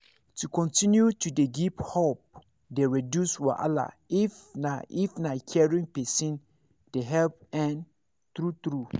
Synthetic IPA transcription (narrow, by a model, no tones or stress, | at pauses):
tʰukʰɔ̃ntʰĩnjutʰudeɡiphop̚ | deɹidjuswɔʔa̰la̰ | ifnaʔifnãkʰɛɹĩŋpɛsĩn | d̥eɦɛlp̚ɛ̃n | t̪ɾut̪ɾu